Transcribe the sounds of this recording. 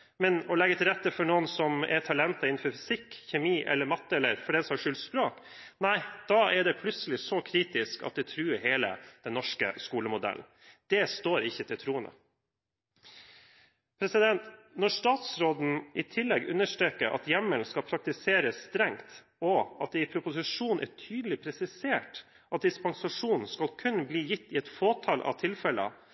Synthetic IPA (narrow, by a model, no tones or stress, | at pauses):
mɛnɔlɛɡːət̪ʰɪlɾɛt̪ːəfɔɳoːənsɔmɛ̰t̪ʰɑlɛnt̪ɑɪnn̩fɔɾfʏsɪkçɛmiːʔɛ̰lːəɾmɑt̪ːəɛlːəɾfɔɖɛnsɔmhɑʂʏlt̪spɾoːk | næɪd̪̥ɑːʔɛɖɛpʰlʉt̪səlɪsɔkʰɾiːt̪ɪskɑ̰t̪̚d̪ɛt̪ʰɾʉːɦeːlə̰d̪̥ɛnːɔʂkə̰skuːləmʊd̪ɛ̰ln̩ | d̪̥ɛst̪oːɾɪçːət̪ʰɪlt̪ʰɾuːənd̪ə̰ | pʰɾɛsɪd̪ɛnt̪nɔʂt̪ɑːt̪sɾoːd̪n̩ʔɪt̪ʰɪlːɛɡʉ̰nːəʂʈɾeːkəɾʔɑ̰t̪jɛmːənskɑpʰɾɑk̚t̪ɪseːɾəsːt̪ɾɛŋt̪ | ɔɑt̪̚d̪ɛɪpʰɾʊpʊsɪʂuːnʔæ̰ʈʰyːd̪əlɪpʰɾɛsɪseːʈ | ʔɑt̪̚d̪ɪspɑŋsɑʂuːnn̩skɑlkʰʉnbliːjɪt̪ːɪɛt̪foːt̪ʰɑlʔɑ̰t̪ʰɪlfɛlə̰